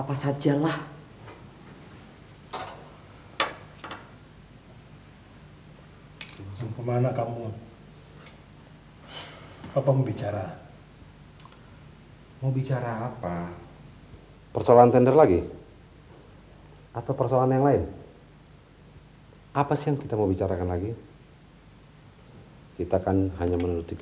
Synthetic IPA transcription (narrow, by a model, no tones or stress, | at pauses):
apasad͡ʒalah | siŋpəmanakamu | apamobit͡ʃaɾa | mobit͡ʃaɾaːpa | pərsoalaant̪ɛndɛrlaɡi | at̪awpərsoalaanjaŋlaɪn | apasijaŋkit̪amabit͡ʃaɾakanlaɡi | kit̪aːkanɦaɲamənuɾut̪ik